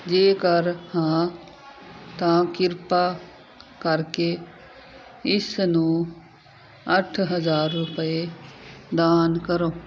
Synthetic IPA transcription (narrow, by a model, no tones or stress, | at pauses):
d͡ʒeːkəɾhãː | t̪ãkɪɾpa | kɐɾke | ɪsnũ | ɐʈʰɦəzaːɾːʊpəe | d̪aːnkəɾoː